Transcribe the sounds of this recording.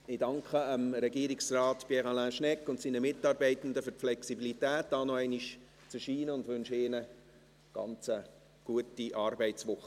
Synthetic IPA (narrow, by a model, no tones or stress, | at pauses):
idɑŋkχəəmɾɛɡiːɾiksraːtb̥jɛʁɑlæ̃ːʃnɛkːʊntsiːnəmɪtɑːɾbɛɪtən̩dəfʏrtflɛksibilitæːt̚d̥ɑːnɔɛɪniʃ | t͡səʃiːnəʊndʋʏnʃɪːnə | ɡ̥ɑ̰nt͡sə | ɡ̥uətiʔɑːrbɛɪt͡sʋʊχə